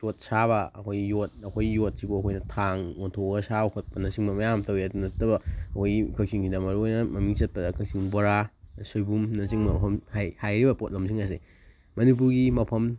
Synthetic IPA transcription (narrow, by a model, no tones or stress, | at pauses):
jot̚saβɐɐ̰kʰojjot̚ɐkʰojjot̚sibuɐkʰojnɐtʰaŋontʰoɡɐsabkʰot̚pɐnɐsiŋbɐmɐjamtʰɐwiɐdunɐtːɐbɐɐkʰojikʰɐksiŋkʰidɐmɐɾuojnɐmɐmiŋt͡ʃɐt̚pɐdɐkʰɐŋsiŋboɾasojbumnɐsiŋbɐmɐpʰɐmhajhajɾibɐpot̚lɐms̬iŋɐs̬ḛ | mɐnip̬uɾɡimɐpʰɐm